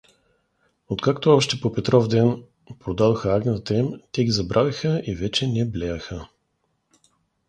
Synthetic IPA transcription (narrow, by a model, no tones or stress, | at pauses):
ot̪kakt̪oɔʃt̪ɛpopɛt̪ɾɔfd̪ɛn | pɾod̪ad̪oxəaɡnʲit̪ɛmt̪ɛɡʲizɐbɾʔavʲixəivɛt͡ʃɛnɛblʲɛjəxə